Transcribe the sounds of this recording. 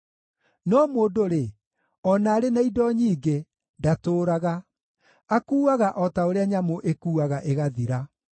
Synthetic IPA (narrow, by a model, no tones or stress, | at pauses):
nɔːmoːdoɾe | ɔnaːɾenaidɔɲiːɡe | datoːɾaɣa | akuːaɣaʔɔtaoɾeaɲamoʔekuːaɣaʔeɣaðiɾa